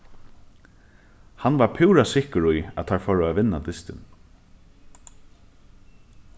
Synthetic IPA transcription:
hanʋaɹpʰuːɹasɪhkəɾʊjat̪ʰaɹfɔːɹʊaʋɪnːad̪ɪst̪ɪ̰n

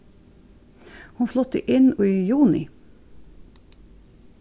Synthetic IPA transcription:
hʊnflɔt̪ə̰ʔɪnoːiːjuːnɪ̰

